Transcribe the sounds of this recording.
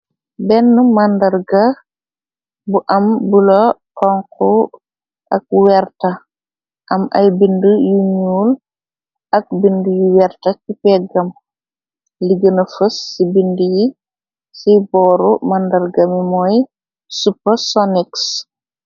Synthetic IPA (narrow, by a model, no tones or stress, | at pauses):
bɛnːumandɐɾɡɐ | buʔɐmbulotɔŋku | ʔɐk̚wɛrtɐ | ʔɐmʔɐ̰jbindujuɲuːl | ʔɐk̚bindujiwɛɾtɐkipɛɡɐm | liɡənɐfəsːibinduji | sibɔːɾumandɐɾɡɐmimɔj | supːəsɔniks